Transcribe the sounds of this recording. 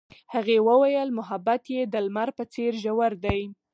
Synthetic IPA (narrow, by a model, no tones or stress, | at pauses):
haɣewəwajəlmʊɦabat̪jed̪əlmaɾpət͡seɾʒawaɾd̪aj